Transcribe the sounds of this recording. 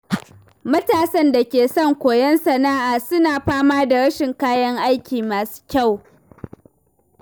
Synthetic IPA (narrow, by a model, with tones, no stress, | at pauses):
mɐ˦taː˨sɐ˦nda˨kʲeː˨sɔ˦˨ŋkʷoː˨jɛ˦nsɐ˨naː˦ʔaː˨sʊ˦naː˨ɸaː˦maː˦da˨ɾɐ˦ʃɪ˨ŋkaː˦jɐ˦ŋʔa˦jkʲiː˨maː˨su̥ː˦kʲa˦˨w